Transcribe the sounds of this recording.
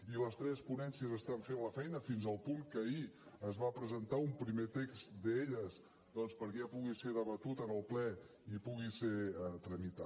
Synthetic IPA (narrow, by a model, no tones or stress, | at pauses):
iləst̪ɾɛspunɛnsiəzəst̪aɱfenləfɛjnəfinzəlˠpuŋkəiəzβapɾəzənt̪aumpɾimet̪eksd̪əeʎəz | d̪ɔnspəɾkɛəpuɣiseðəβət̪ut̪ənəlˠplɛ | ipuɣiset̪ɾəmit̪a